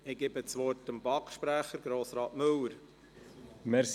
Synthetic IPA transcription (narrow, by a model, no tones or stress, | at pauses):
ɪɡ̥ɪbət͡sʋɔrtəmbɑkʃpɾæχəɾɡɾoːsɾɑːtmɵləɾ | mɛɾs